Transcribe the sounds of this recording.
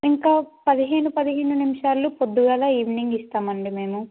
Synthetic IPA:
iŋkaːpɐd̪iɦe̞ːnupɐd̪iɦeːnunimiʂaːlːupod̪ːuɡaːlaːiːʋiniŋɡist̪aːmɐɳɖime̞ːmu

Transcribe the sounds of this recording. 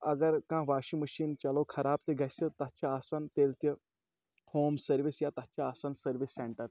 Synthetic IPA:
ɐɡəɾkãːʋaːʃiməʃiːnt͡ʃɐlokʰɐɾaːb̚t̪eɡʱɐsət̪at͡ʃaaːsant̪eːlt̪jə | hoːmsəɾʋisjat̪ɐt͡ʃaːsansəɾʋisːeɳʈəɾ

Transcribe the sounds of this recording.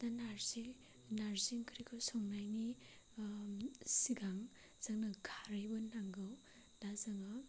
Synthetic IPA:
d̥anaɾzi | naɾziŋkʰɾikʰɯsɔŋnajni | siɡaŋ | z̥aŋnaɡʰʱaɾajbɔnaŋɡɯw | nazaŋɯ

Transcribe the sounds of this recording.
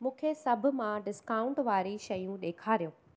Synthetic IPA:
mũːkʰesɐbʱʊ̆mãɖɪskaːʊ̃ɳʈʋaːɾiʃɐjũɗeːkʰaːɾijũː

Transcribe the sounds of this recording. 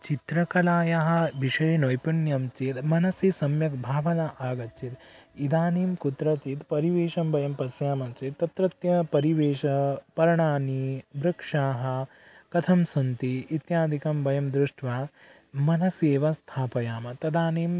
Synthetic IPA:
t͡ʃit̪ɾɐkɐlaːjɐɦɐ̆ʋiʂɐjnojpunjɐmt͡ʃit̪mɐnɐsisɐmjɐk̚bʱaːʋɐnɐʔaːɡɐt͡ʃit̪id̪aːniːmkut̪ɾɐt͡ʃit̪pɐɾiʋeːʃɐmbɐjɐmpɐsjaːmɐt͡ʃit̪ːɐt̪ɾɐt̪jɐpɐɾiʋeːʃɐpɐɾɐɳaːnibɾɐkʂaːɦɐ̆ | kɐt̪ʰɐmsɐnt̪iːt̪jaːd̪ʱikɐmbɐjɐmd̪ɾuʂʈʰʋaː | mɐnɐseːʋɐst̪ʰaːpɐjaːmɐt̪ɐd̪aːniːm

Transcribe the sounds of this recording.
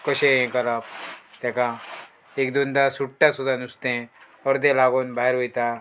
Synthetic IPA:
kɔɕeẽkəlap̚t̪ɛ̃kã | ekd̪und̪asuʈʈːasud̪anust̪ẽ | ɔɾd̪elaɡonbaːɦeɾɦojt̪a

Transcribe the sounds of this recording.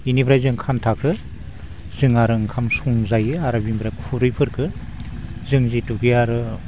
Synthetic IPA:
inibɾajzɯŋkʰantʰakʰɯ | zɯŋaɾɯŋkʰamsuŋzajɯaɾabimbɾakʰuɾɯjpʰɯɾkʰɯ | zɯŋzituɡijaɾɯ

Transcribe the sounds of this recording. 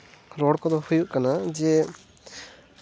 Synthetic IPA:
ɾɔɽkɔd̪ɔhujuʔkanad͡ʒɛ

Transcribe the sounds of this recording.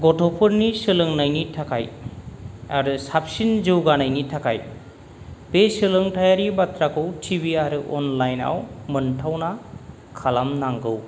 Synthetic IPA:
ɡɔtʰɔpʰɯɾnisɯlɯŋnajnitʰakʰa̰j | aɾusap̚sinzɯwɡanajnitʰakʰaj | besɯlɯŋtʰajaɾibatʰɾakʰɯwtʰibiaɾɯʔɔ̰nlajna̰wmɯntʰawna | kʰalamnaŋɡɯw

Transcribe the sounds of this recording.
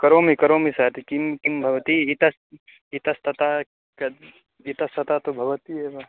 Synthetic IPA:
kɐɾoːmikɐɾoːmisat̪ikimkimbʱɐʋɐt̪iit̪ɐs | it̪ɐst̪ɐt̪aː | kɐ | it̪ɐst̪ɐt̪aːt̪obʱɐʋɐt̪iɦeʋa

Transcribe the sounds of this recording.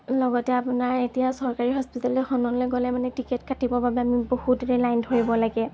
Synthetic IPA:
lɔɡɔtɛapʊnaɹetijasɔɹkaɹiɦɔspitalɛxɔnɔlɔɡɔlɛmanɛtiketkʰatibɔbabɛamibohudɹelajndʱoɹibɔlaɡɛ

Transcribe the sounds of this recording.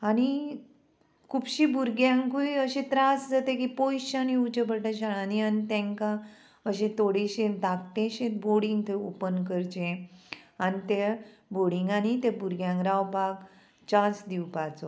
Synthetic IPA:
aɽ̃i | kʰupɕibuɾɡjãŋkuiəɕẽt̪ɾasd͡zat̪ẽkipojɕaniut͡ɕəpəʈə̃ɕaɽanianit̪ɛ̃ŋkã | əɕẽt̪oɽeɕẽd̪akt̪ẽɕẽt̪boɽĩŋɡt̪ʰeopənkəɾt͡ɕẽ | anit̪eboɽiŋɡanit̪ẽbuɾɡjãŋkɾawpak | t͡ɕãsd̪iwpat͡so

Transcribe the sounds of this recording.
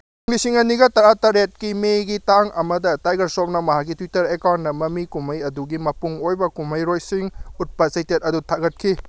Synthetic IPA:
uŋɡisiŋɐniɡɐtɐɾatɐɾet̚kimeɡitaŋɐ̰mɐdɐtajɡɐɾsop̚nɐmɐɦakːitwitɐɾekawnːɐmɐmikumɐjɐduɡimɐpuŋojbɐkumɐjɾojsiŋut̚pɐsɐjtet̚ɐdutʰaɡɐt̚kʰi

